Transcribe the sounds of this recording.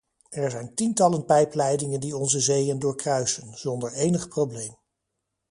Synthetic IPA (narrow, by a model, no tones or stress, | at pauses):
ɛɹzɛjntintɑlənpɛjplɛjdɪŋəndiɔnzəzejəndʊːɹkrœɥsənz̥ɔndəɹejnəχprowblejm